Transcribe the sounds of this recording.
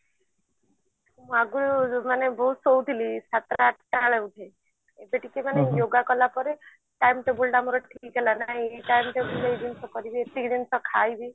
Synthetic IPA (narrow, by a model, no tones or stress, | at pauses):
mũaɡuɾmanebɔɦusowut̪ʰilisat̪ɾaaʈʰʈaɭeut̪ʰe | ebeʈikemanejoɡakɔlapɔɾe | ʈajmʈebulɖamɔɾɔʈʰikɡelanaɦĩeʈajmʈebuleejd̪insʰɔkɔɾibiet̪id̪insɔkʰajbi